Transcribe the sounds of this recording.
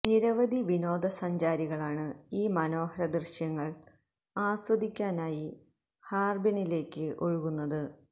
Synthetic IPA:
niɾɐʋɐd̪ʱiʋino̞ːd̪ɐsɐɲd͡ʑaːɾiɣɐɭaːɳɨiːmɐno̞ːhɐɾɐd̪rɨɕjɐŋːɐɭ | aːsʋɐd̪ʱikʲːaːnaːji | haːrbɐnile̞ːkːɨʔo̞ɻuɣunːɐðɨ

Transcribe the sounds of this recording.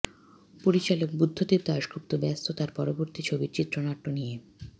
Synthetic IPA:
poɾit͡ɕalok̚bud̪ʱːod̪eɾd̪aʃɡɾup̚t̪obɛst̪ʰot̪aɾpɔɾoboɾt̪it͡ɕʰobiɾt͡ɕit̪ːɾonaʈːonije

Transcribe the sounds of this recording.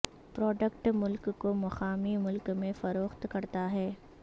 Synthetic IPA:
pɾɔːɖəkʈmʊlkːomɐxaːmimʊlkmẽfɐɾoːxt̪kɐɾt̪aɦɛː

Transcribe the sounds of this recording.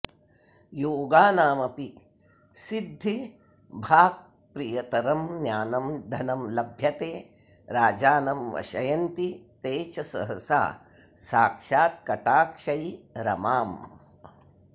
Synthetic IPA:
joːɡaːnaːmɐpik | sid̪ʱːi | bʱaːk̚ | pɾijɐt̪ɐɾɐmnjaːnɐmd̪ʱɐnɐmlɐbʱjɐt̪eː | ɾaːd͡ʒaːnɐmʋɐ̰ʃɐjɐnt̪it̪eːt͡ʃɐsɐ̰ɦɐsa̰ː | saːkʃaːt̪̚kɐʈaːkʂɐjɾɐ̰maːm

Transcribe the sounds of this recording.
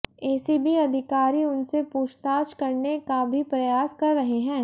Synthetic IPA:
eːsibʱiɐd̪ʱɪkaːɾiʊnsepuːʃt̪aːt͡ʃkɐɾnekabʱipɾɐjaːskɐɾːɐɦeɦɛ̃ː

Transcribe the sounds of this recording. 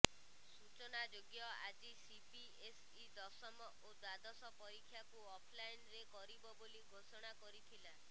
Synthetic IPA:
sut͡ʃɔnad͡ʒoɡjɔa̰d͡ʒisipi | es | id̪ɔsɔmɔʔod̪wad̪ɔsɔpɔɾikʰːjakuɔpʰlajnɾekɔɾibɔboliɡʱosɔɽ̃akɔɾit̪ʰila

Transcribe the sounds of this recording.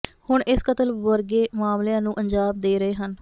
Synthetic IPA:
hʊɳʔɪskət̪əlʋəɾɡeːmaːmljãːnũːʔəɲd͡ʒaːbd̪eːɾəeːɦən

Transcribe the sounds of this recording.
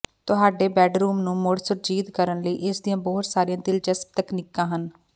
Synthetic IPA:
t̪ʊɦaːɖeːbɛːɖɾuːmnũːmʊɽsʊɾd͡ʒiːt̪kəɾənləḭːʔɪsd̪ijãːbɔːt̪saːɾijãːd̪ɪld͡ʒəsp̚t̪əknikːãːɦən

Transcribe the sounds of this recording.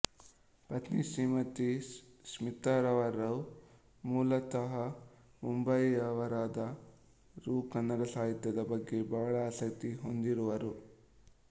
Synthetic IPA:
pɐt̪nisiːmɐt̪ismit̪ːaːɾɐʋɐɾːɐw | muːlɐt̪ɐɦɐ | mumbɐjɐʋɐɾaːd̪ɐ | ɾuːkɐnːɐɾɐsaːɦit̪jɐd̪ɐbɐɡːe̞bɐʋɐɭɐːsɐk̚t̪iɦo̞nd̪iɾuʋɐɾu

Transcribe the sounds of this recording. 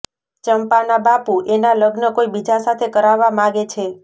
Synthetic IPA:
t͡ʃəmpanabapuʔenaləɡnəkoibid͡ʒasat̪ʰekəɾaʋːamãɡet͡ʃʰe

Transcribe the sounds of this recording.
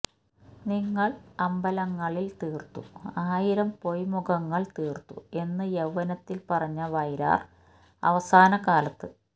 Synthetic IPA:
niŋːɐɭɐmbɐlɐŋːɐɭilt̪iːrt̪ːṵaːjiɾɐmpo̞jmuɡɐŋːɐɭt̪iːrt̪ːṵe̞nːɨjeʋːɐnɐt̪ːilpɐrɐɲːɐʋɐjɾa̰ːr | ɐ̰ʋɐsaːnɐkaːlɐt̪ːɨ

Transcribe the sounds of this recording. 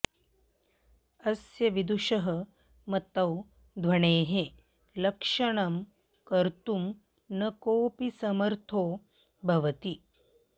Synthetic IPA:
ɐsjɐʋid̪uʂɐɦə | mɐt̪ɐw | d̪ʱʋɐɳeːɦe | lɐkʂɐɳɐm | kɐɾt̪um | nɐkoːpisɐmɐɾt̪ʰoː | bʱɐʋɐt̪i

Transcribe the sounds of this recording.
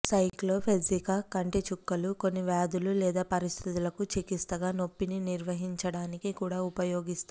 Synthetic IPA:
sɐjkloːpʰed͡ʒikɐkɐɳʈet͡ʃukːɐluko̞nːiʋaːd̪ululɛːd̪aːpɐɾist̪ʰit̪ulɐkut͡ʃikist̪ɐɡaːno̞pːininiɾʋɐɦiɲt͡ʃɐɽaːnikikuːɽaːupɐjo̞ːɡist̪a

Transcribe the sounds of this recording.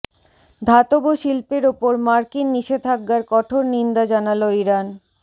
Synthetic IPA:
d̪ʱat̪oboʃilpeɾopoɾmaɾkinːiʃed̪ʱaɡːaɾkɔʈʰoɾnind̪ad͡ʑanaloiɾan

